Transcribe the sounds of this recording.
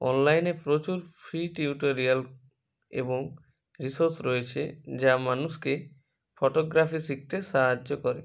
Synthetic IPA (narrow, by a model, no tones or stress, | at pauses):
ɔ̰nlajnepɾot͡ɕuɾfʰɾiʈiuʈoɾial | ḛboŋ | ɾisoɾsɾɔet͡ɕʰed͡ʑamanuʃke | fɔʈoɡɾafisik̚t̪eʃaɦaːokɔɾe